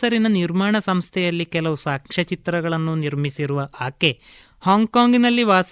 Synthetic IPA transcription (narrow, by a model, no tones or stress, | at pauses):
ɐɾinɐniɾmaːɳɐsɐmst̪ʰɛjɐlːikɛlɐʋusaːkʂɐt͡ʃit̪ɾɐɡɐɭɐnːuniɾmisiɾuʋɐʔaːke̞ | haːŋɡkaːŋɡinɐlːiʋaːs